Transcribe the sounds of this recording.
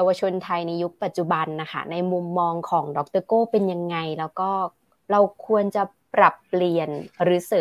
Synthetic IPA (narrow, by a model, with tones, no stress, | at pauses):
jaː˧wa˧t͡ɕʰo˧nt̪ʰa˧jna˧jːu˦˥k̚pa˨˩t̪̚t͡ɕu˨˩ba˧nːa˦˥kʰa̰˦˥˩na˧jmu˧mːɔː˧ŋkʰɔː˩˦ŋdɔ˦k̚t̪ɤː˥˩koː˥˩pe˧nja˧ŋːa˧jlɛː˦˥wkɔː˥˩ | ɾa˧wkʰu˧ənt͡ɕa˨˩ | pɾa˨˩pːli˨˩ənɾɯː˩˦sɤː˨˩˦